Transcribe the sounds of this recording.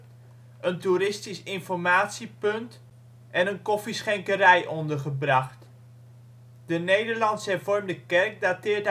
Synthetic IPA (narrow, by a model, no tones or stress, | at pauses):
əntuɾɪstisɪnfɔɹmaːtsipɵnt | ʔɛnənkɔfisχɛŋkəɾɛjʔɔndəɹχəbrɑχt | d̥ənejdəɹlɑnsəɛɹvɔrmdəkɛrk̚datɪːɹt